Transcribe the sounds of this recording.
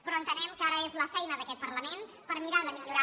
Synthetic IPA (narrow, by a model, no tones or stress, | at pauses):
pɾɔənt̪ənɛmkaɾəezləfɛjnəðəkɛt̪̚pərləmen | pəɾmiɾaðəmiʎuɾa